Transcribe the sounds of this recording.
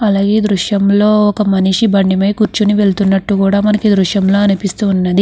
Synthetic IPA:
ɐlaːɡe̞ːd̪ɾuʂjɐmlo̞ːɔkɐmɐniʂibɐɳɖimɐjkuɾt͡ʃuniʋe̞ɭt̪unːɐʈːukuːɽaːmɐnɐkid̪ɾuʃjɐmlo̞ːɐnipist̪uːnːɐd̪i

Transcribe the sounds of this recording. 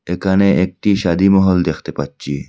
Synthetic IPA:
ekʰaneʔek̚ʈiʃad̪imɔɦɔld̪ekʰt̪epat͡ɕʰi

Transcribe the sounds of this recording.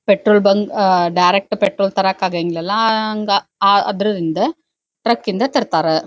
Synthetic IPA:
pɛʈɾoːlbɐŋɡɖɐɪɾɛk̚ʈpɛʈɾoːlt̪ɐɾaːkaːɣɐɪŋɡɪɭɛlːãːŋɡaaːɐðɪɾɯðɪnd̪ɐ | ʈɾɐkːɪnd̪ɐt̪ɐɾɯt̪ːaːɾɐ

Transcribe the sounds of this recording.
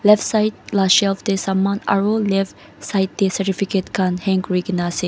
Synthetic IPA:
lɛfsaɪt̚laʃɛlfd̪esamãna̰ɹolɛf | sajt̚d̪esəɾifiketkãnhɛ̃ŋkɹiɡnasi

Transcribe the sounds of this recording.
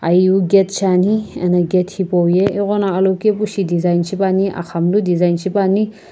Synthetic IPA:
ajuɡet̚saniḛnaɡethipɔwjeeɣɔnaɐlɔwkepusidizajnsipaniʔa̰xʰamludizajnsipani

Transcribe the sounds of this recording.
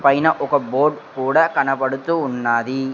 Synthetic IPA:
pɐjnɐʔɔɣɐboːɖkuːɽɐkɐɳɐpːɐɽɯt̪ːɯʊnːaːði

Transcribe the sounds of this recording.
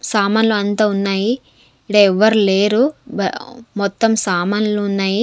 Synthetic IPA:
saːmɐnluɐnt̪aːunːaːji | ɽɐɛʋːɐɾule̞ːɾṵ | mɔt̪ːɐmsaːmɐnluunːaːji

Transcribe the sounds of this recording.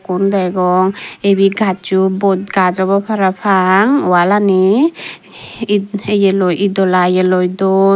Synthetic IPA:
kundajɡɔŋebiɡʱat͡ʃubɔɡad͡ʒɔbɔpʰaɾapʰaŋwalani | ejelɔjid̪ɔlajelɔjd̪ɔ

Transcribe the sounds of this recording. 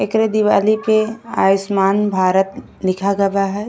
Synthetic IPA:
ɪkɾed̪iʋaːlipea̰ːjɪsmaːnbʱaːɾət̪ | lɪkʰaɡɐʋaɦɛː

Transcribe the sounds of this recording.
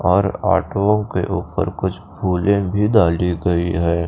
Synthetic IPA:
ɔːɾa̰ːʈoõkḛʔuːpə̰ɾkʊt͡ʃʰpʰuːlẽbʱid̪aːliɡɐiɦɛː

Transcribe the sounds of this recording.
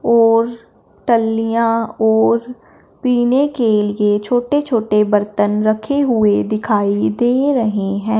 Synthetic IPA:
ɔːɾ | ʈəlːijãɔːɾ | piːnekeliet͡ʃʰoːʈet͡ʃʰoːʈebɐɾt̪ənɾɐkʰeɦʊed̪ɪkʰaːid̪eːɾɐɦeɦɛ̃ː

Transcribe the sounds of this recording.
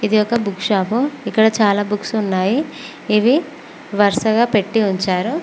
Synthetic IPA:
id̪iɔkɐbukʂaːpuikːɐɽɐt͡ʃaːlaːbuksunːaːjiː | ʋi | ʋɐɾʂɐɡaːpeʈːiuɲt͡ʃaːɾu

